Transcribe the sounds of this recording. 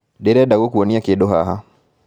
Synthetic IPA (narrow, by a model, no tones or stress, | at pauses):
deɾɛdaɡokwoniakedohaɦa